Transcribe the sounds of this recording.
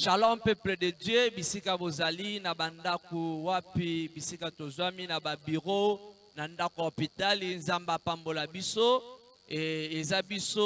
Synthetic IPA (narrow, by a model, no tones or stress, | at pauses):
ʃalãpɛplededjøbisikabozalinabandakowapibisikatozwaminababiʁo | nandakoopitalinzambapambolabiso | ezabiso